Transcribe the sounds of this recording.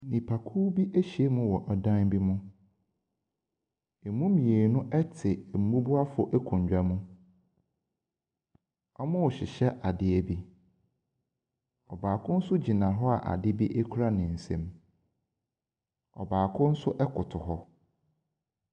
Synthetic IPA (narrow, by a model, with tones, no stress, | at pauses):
nĩ˨pʰa˨kʰu˦bi˦ʔe˦ɕi˨e˦mʊ̃˦wɔ˨ʔɔ˨dã˦nbi˦mʊ̃˦ | e˨mũ˦mĩ˨e˨nʊ̃˦ʔɛ˦tʰɪ˨m̩˨mũ˦bu˦a˦fʊ˦ʔɛ˦kʰũ˨ɲ˨d͡ʑᶣa˨mũ˦ | ɔ˦mʊ̃˦ʊ˨ɕɪ˨ɕɛ˦ʔa˨dɪ˦ɛ˦bi˦ | ɔ˨baː˨kʰʊ̃˦n̩˦sʊ˦d͡ʑi˨nã˨ɦɔ˦a̰˨ʔa̰˨dɪ˦bi˦ʔɛ˦kʰu˦ɾa˦nɪ̃˨n̩˨sɛ̰̃˨m | ɔ̰˨baː˨kʰʊ̃˦n̩˦sʊ˦ʔɛ˦kʰʊ˨tʰʊ˨ɦɔ˦